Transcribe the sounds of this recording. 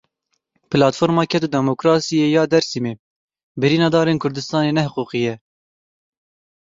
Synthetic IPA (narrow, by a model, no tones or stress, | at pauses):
pɨlɑːt̪foːɾmɑːkʰɛt̪ud̪ɛmokɾɑːsijeːjɑːd̪ɛɾsimeː | bɨɾiːnɑːd̪ɑːɾeːnkʰʊɾd̪ɨst̪ɑːneːnɛhʊquːqijɛ